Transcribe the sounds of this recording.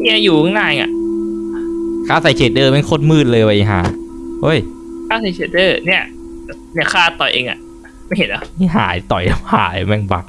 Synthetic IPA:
ni˧˥˩ɐ˨juː˨˩ɔ˧˦ŋnaː˧˩jŋa̰˨˩ʔ | kʰaː˥˩sa˨˩˦jt͡ɕʰeː˨˩t̪̚dɤː˧me˧˥˩nkʰo˧˥˩t̪̚mɯː˥˩t̪̚lɤː˧jwa˧˩ʔi˧˩ɦa̰ː˨˩˦ʔo˧˥˩j | kʰaː˥˩sa˨˩jt͡ɕʰeː˨˩t̪̚dɤː˧˩ni˥˩ɐ | ni˥˩ɐkʰaː˥˩t̪ɔ˨˩jʔeː˧ŋʔa̰˨˩ʔ | ma˥˩jhe˨˩nʔɛ˧˦˥i˥˩ɦa̰ː˩˦jt̪ɔ˨˩ja˧haː˩˦jmɛ˧˩ŋba˨˩k̚

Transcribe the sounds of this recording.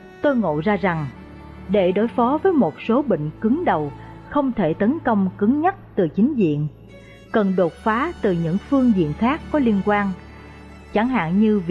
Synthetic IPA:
t̪o˧jŋo̰˧˨jzaː˧za˨˩ŋ | ɗe˧˩ɗo˧˦jfɔ˨˦vəː˨˦jmo˨˩t̚so˨˦ɓḭ̈˧˨ŋ̟kɨ˨˦ŋɗə˨˩w | xə˧wŋ͡mt̪ʰe˧˩t̪ə˨˦nkə˧wŋ͡mkɨ˨˦ŋɲə˦˥t̚t̪ɨ˨˩t͡ɕï˨˦ŋ̟zḭ˧˨ən | kə˨˩nɗo˨˩t̚faː˨˦t̪ɨ˨˩ɲɨ̰˧˥ŋfɨ˧əŋzḭ˧˨ənxaː˦˥kːɔ˨˦li˧ənkwaː˧n | t͡ɕa˧˩ŋɦa̰ː˧˨ŋɲɨ˧v

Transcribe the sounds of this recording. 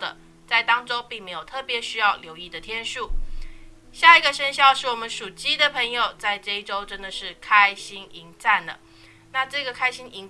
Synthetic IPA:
d̪ə̰˩ | t͡sa˥˩ɪt̪ɑ˥ŋʈ͡ʂo˥ʊpi˥˩ŋme˧˥ɪjo˨˩ʊt̪ʰɤ˥˩pjɛ˧˥ɕy˥jɑ˥˩ʊljo˧˥ʊi˥˩d̪ə˩t̪ʰjɛ˥nʂu˥˩ | ɕja˥˩i˧˥ɡə˨ʂə˥nɕjɑ˥˧ʊʂɻ̩˥˩wɔ˨˩mə˦nʂu˨˩t͡ɕi˥d̪ə˨pʰɤ˧˥ŋjo˨˩ʊt͡sa˥˧ɪʈ͡ʂɤ˥˧i˥˩ʈ͡ʂo˥ʊʈ͡ʂə˦˥nd̪ə˨ʂɻ̩˥˩kʰa˥ɪɕi˥ni˧˥ŋt͡sa˥˩nd̪ə̰˩ | na˥˧ʈ͡ʂɤ˥˩ɡə˩kʰa˥ɪɕi˥ni˧˥ŋ

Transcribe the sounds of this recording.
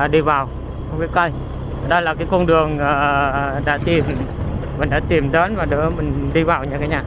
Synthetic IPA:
ɗi˧vaː˨˩w | xə˧wŋ͡mki˨˦kə˧j | ɗə˧laː˨˩kaː˨˦jko˧nɗɨ˨˩əŋəː˨˩ɗa̰ː˧˥t̪i˨˩mmi˨˩nɗa̰ː˧˥t̪i˨˩mɗəː˨˦nvaː˨˩ɗɨ̰˧˦mï˨˩ŋ̟ɗi˧vaː˨˩wɲa̰˧˥kaː˨˦ɲaː˨˩

